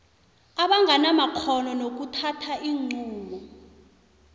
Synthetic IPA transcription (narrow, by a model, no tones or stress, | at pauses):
aɓaŋɡʱanamakʰɔnɔnok̬utʰatʰaʔiːŋ͡ǀuːɓɔ